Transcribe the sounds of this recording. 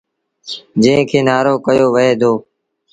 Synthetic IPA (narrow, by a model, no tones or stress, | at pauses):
d͡ʒə̃ɦɪ̃kʰeːnaːɾoːkəjoːʋəeːd̪oː